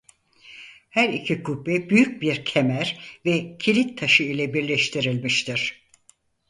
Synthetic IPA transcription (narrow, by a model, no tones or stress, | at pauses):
hæɾicʰikʰupːɛbyjyc̚biɾcʰemæɾvɛcʰilʲit̪ʰːaʃɯilʲɛbiɾlʲɛʃt̪ʰiɾilʲmiʃt̪ʰiɾ̥